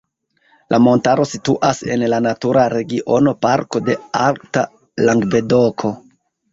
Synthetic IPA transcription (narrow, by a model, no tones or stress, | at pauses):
lʔamo̞ntaɾo̞situʔase̞̰nlanatuɾaɾe̞ɡiʔo̞no̞paɾko̞de̞alkta | laŋɡve̞do̞kʰo̞